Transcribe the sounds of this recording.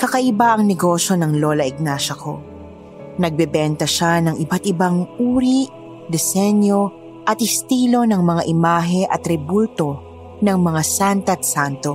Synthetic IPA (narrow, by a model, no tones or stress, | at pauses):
kɐkɐʔɪbaʔɐŋnɛɡo̞ʃjo̞nɐŋlolɐɪɡ̚naʃɐkʰo̞̰ | nɐɡ̚bɛbɛnt̪ɐʃanɐŋɪbat̪̚ɪbaŋʔuːɾi | d̪ɛsɛnjo̞ | ʔɐt̪̚ɪst̪iːlo̞nɐŋmɐŋaʔɪmaːɦɛʔɐt̪ɾɛbult̪o̞ | nɐŋmɐŋasant̪ɐt̪sant̪o